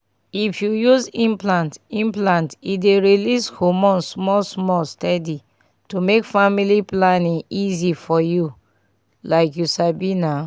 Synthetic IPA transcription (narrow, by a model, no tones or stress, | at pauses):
ifjujuzĩmplãntĩmplãntideɹilishomɔ̃nsmɔlsmɔlstɛdi | tumekfamiliplanĩŋizifɔju | laɪkjusabina